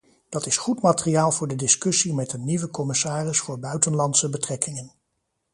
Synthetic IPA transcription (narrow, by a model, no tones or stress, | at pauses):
d̥ɑtɪsχutmaːtərijaːlˠvʊːɹdədɪskɵsimɛtənːiʋəkɔmɪsaːrɪsfʊːɹbœɥtənlɑntsəbətrɛkɪŋən